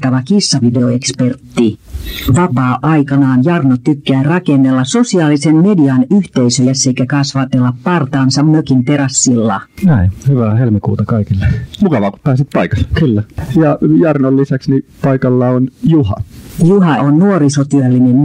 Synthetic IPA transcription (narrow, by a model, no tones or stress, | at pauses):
t̪ɑʋɑkisːɑʋideoekspert̪ːiʋɑpɑːʔɑikɑnɑːnjɑrnot̪ykːæːrɑkenːelːɑso̞siɑːlisemmediɑnyht̪eisøjæsːeikækɑsʋɑt̪elːɑppɑrt̪ɑːnsɑmmøkint̪eɾɑsːilːɑ̰næihyʋæːhelmikṵːt̪ɑkɑikilːemukɑʋɑːku̥ppæːsit̪̚pɑikɑ̥lːkylːæjɑjɑrnolːisæksnipɑikɑlːɑonjuhɑ̰juhɑʔonnuoɾisot̪yɑlːinen